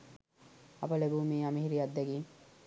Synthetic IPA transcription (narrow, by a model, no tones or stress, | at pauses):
ɐ̰bɐlebuːmiːɐmiɦiɾiɐd̪ːeɡiː